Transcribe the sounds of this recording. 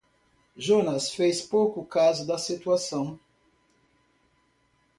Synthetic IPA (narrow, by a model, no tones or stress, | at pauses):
ʒonɐsfejspokʊkazʊd̪ɐsit̪uasɐ̃w̃